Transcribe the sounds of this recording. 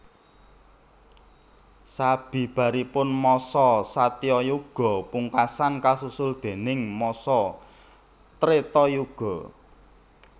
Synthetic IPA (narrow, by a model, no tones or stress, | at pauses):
sab̥i̤b̥a̤ɾipʊnmɔsɔsat̪iɔjuɡ̥ɔ̤puŋkasankasusʊld̪̥e̤nɪŋmɔsɔ | t̪ɾet̪ɔjuɡ̥ɔ̤